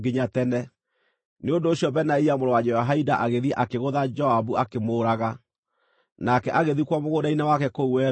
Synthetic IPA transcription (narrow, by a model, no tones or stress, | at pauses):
ɡeɲatɛnɛ | neondoːɕjɔbɛnaiamoɾowad͡ʒɛaɦaidaʔaɣeðiɛʔakeɣoðad͡ʒɔhabuakemoːɾaɣa | nakɛʔaɣeðikwɔmoɣoɾainawakɛkouwɛ